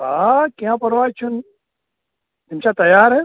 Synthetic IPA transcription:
aːkiãːpɐɾʋaːt͡ʃʰun | d̪ɪmʃat̪ɐjaːɾɦɛ

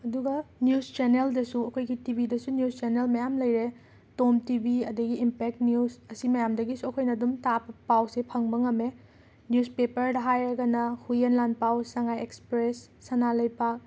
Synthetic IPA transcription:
ɐduɡɐnjust͡ʃeneldɐsuɐkʰojɡitibʱidɐsunijust͡ʃenelmɐjamlɐjɾe | tomtibʱiɐdɐɡiimpek̚tniusɐsimɐjamdɐɡisuɐkʰojnɐdumtabɐpawsepʰɐŋbɐŋɐme | njuspepɐɾdɐɦajɾɐɡɐnɐhujenlanpawsaŋajekspɾesːanalɐjpak̚

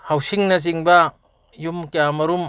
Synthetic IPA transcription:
hawsiŋnɐz̬iŋbɐ | jumkijamɐɾum

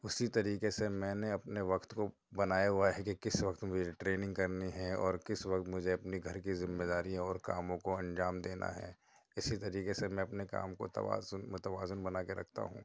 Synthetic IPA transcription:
ʊsit̪ɐɾiːkesemɛ̃ːneɐpneʋɐqt̪ko | bɐnaːjaɦʊaɦɛkekɪsʋɐkt̪mʊd͡ʒʱeʈɾeːnɪ̃ŋɡkɐɾniɦɛ̃ɔːɾkɪsʋɐkt̪mʊd͡ʒʱeɐpniɡʱɐɾkizɪmːeːd̪aːɾijãɔːɾkaːmõkoɐ̃nd͡ʒaːmd̪eːna̰ɦɛ̰ː | ɪsit̪ɐɾiːkesemɛ̃ɐpneka̰ːmko̰t̪ɐ̰ʋa̰ːznmʊt̪əʋaːzʊnbɐnaːkeɾɐ̰kʰt̪a̰ɦṵ̃ː

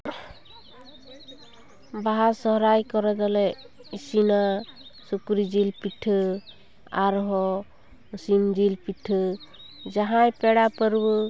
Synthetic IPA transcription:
baɦasɔɦɾajkɔɾɛd̪ɔlɛ | isinasukɾid͡ʒilpiʈʰɯ | aɾɦɔ | sind͡ʒilpiʈʰɯ | d͡ʒaɦãjpɛɽapəɾbɯ

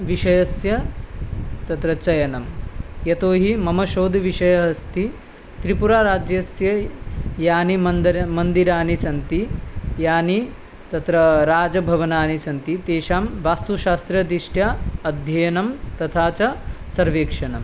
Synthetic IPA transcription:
ʋiʃɐjɐsjɐ | t̪ɐt̪ɾɐt͡ʃɐjɐnɐmjɐt̪oːɦimɐmɐʃoːd̪ʱʋiʂɐjɐɦɐst̪i | t̪ɾipuɾaːɾaːd͡ʒjɐsjɐjaːnimɐnd̪iɾaːnisɐnt̪ijaːni | t̪ɐt̪ɾɐɾaːd͡ʒɐbʱɐʋɐnaːnisɐnt̪it̪eːʃaːmʋaːst̪uʃaːst̪ɾɐd̪iʂʈjaɐd̪ʱjɐjɐnɐmt̪ɐt̪ʰaːt͡ʃɐsɐɾʋeːkʂɐnɐm

